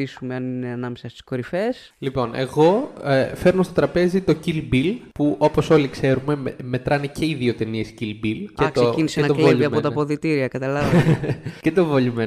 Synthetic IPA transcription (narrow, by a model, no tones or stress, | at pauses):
isume̞ɐnine̞ɐnɐmesɐst̪i̥sko̞ɾife̞s | lipo̞nʔe̞ɣo̞fe̞ɾnost̪o̞t̪ɾɐpe̞zit̪o̞cilbilpuʔo̞po̞so̞likse̞ɾume̞me̞t̪ɾɐnice̞iðio̞t̪eniescilbilcektk̪soeinisenɐleiɐot̪ɐpo̞ðit̪iɾiɐkɐt̪ɐlɐvɐcet̪ovoʎime